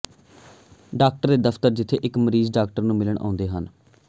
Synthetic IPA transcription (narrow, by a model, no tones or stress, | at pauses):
ɖaːk̚ʈəɾd̪eːd̪əpʰt̪əɾd͡ʒɪt̪ʰːḛːʔɪkməɾiːzɖaːk̚ʈəɾnũːmɪləɳʔa̰ːʊ̃nd̪eːɦən